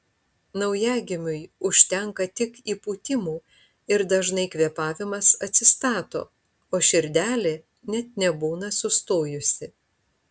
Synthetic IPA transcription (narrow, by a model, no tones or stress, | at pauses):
nɐʊjæːɡʲɪmʲʊjʊʃʲt̪ʲɛŋkɐt̪ʲɪkiːpuːt̪ʲɪmuː | ɪɾd̪ɐʒnɐɪkʋʲiɛpɑːʋʲɪmɐsɐt̪ʲsʲɪst̪ɑːt̪o̰ː | oːʃʲɪɾʲd̪ʲæːlʲeː | nʲɛt̪̚nʲɛbuːnɐsʊst̪oːjʊsʲɪ